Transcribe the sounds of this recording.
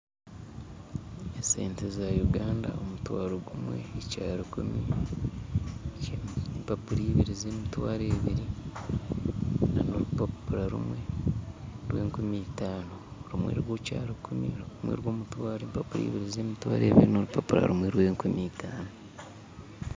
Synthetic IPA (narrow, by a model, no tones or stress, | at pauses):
esḛːntezajuɡaːnda̰omutwaːɾoɡumwe̞̰ːcaːɾakumi | mpapuɾiːβiɾizeːmitwaːɾeːβiɾi | nanoɾupapuɾaɾṵmwe̞ | ɾweːŋkumiːtaːnoɾumwḛːɾɾwoːcaːɾakʰumḭɾukumwḛɾwoːmutwaːɾeːmpapuɾḭːβiɾizeːmitwa̰ːɾeːβiɾinoɾupapuɾa̰ɾumweɾweːŋkumitʰaːno